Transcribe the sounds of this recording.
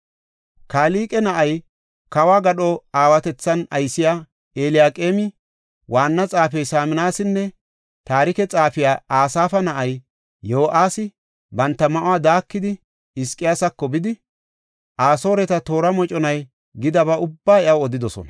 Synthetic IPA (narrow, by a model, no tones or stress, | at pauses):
kaːliːkʼɛnɐʔɐj | kɐwaːɡɐɗɔaːwɐt̪ɛt͡sːɐnɐjsɪjaː | eːlɪjaːkʼeːmɪ | waːnːɐt͡sʼaːfɛjsaːmɪnaːsɪnːɛ | t̪aːɾɪkɛt͡sʼaːfɪjaːaːsaːfɐnɐʔɐj | joːʔaːsɪ | bɐnt̪ːɐmɐʔʊwaːd̪aːkːɪd̪ɪ | ɪskʼːɪjaːsɐkːɔbɪd̪ɪ | ʔaːso̞ːɾɛt̪ɐt̪o̞ːɾɐmɔt͡ʃʼɔnɐj | ɡɪd̪ɐβɐʊbːaːɛʔɐwɔd̪ɪd̪ɔsɔ̰nɐ